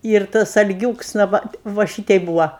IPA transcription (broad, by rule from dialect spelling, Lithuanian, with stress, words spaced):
ɪr ˈtɐs ɐlʲˈɡʲuːks nɐ ˈʋɐ ʋɐ ˈʃʲɪtʲɛɪ ˈbuːʋɐ